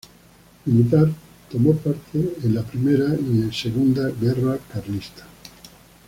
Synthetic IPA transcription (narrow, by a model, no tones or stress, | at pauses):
milit̪̬aɾ | t̪omopaɾt̪ʰeːnlapɾimeɾaiẽnseɣund̪aɣerakaɾlist̪ḁ